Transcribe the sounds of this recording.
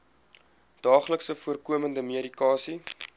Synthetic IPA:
d̥ɑːχləksəfuərkuəməndəmiəɾikɑːsi

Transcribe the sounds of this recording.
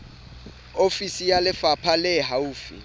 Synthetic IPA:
ofisijalɪfapʰalɛɦauːfḭ

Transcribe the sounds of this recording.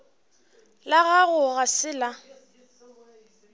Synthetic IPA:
laɣaɣʊɣasɪla

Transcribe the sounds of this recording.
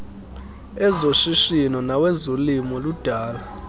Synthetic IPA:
ɛzoʃiʃinɔnawɛzolimɔlud̥ʱaːla

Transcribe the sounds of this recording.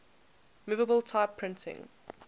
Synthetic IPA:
mʉːvəbəlˠtʰaɪpʰɹɪ̃ntʰɪ̰̃ŋ

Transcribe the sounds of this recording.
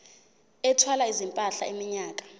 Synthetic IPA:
ɛtʰwalaizimpʼaɬa̰imiɲaːk̬ʼḁ

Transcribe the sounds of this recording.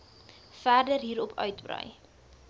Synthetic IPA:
færdərɦiːɾɔpʰœ̰ɥtbrœ̰j

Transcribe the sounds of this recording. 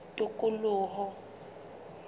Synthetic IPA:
tʼʊkʼʊlʊːɦɔ

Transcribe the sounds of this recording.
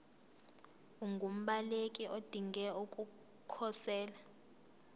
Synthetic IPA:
uŋɡʱum̩ɓalekʼiʔod̥ʱiŋɡɛokʼu | kʰɔsɛːla

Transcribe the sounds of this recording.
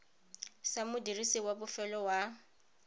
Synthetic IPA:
samʊdirisɪwabʊfɛlɔwa

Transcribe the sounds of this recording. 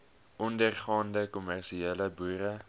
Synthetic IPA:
ʔɔndərχɑːndəkɔmærʃieləbuːɾə

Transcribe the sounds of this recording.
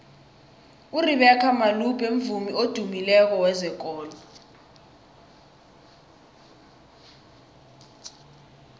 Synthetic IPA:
uriɓɛkʰamalub̥ʱem̩vumiod̥ʱumilɛk̬ɔwɛzɛk̬ɔːlɔ

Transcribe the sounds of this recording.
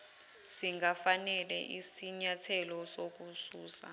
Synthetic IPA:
siŋɡafanɛlɛ̰ʔisiɲatʰɛlɔsok̬usuːsa̰

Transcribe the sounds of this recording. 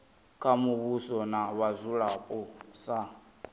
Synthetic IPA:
kʰamuβusɔnaβazuɺapʼɔsa

